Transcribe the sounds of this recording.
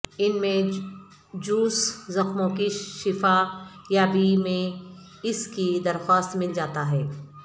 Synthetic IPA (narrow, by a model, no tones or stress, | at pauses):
ɪnmẽ | d͡ʒuːszɐxmõkiʃɪfajaːbimẽ | ɪskid̪ɐɾxwaːst̪mɪld͡ʒaːt̪aɦɛː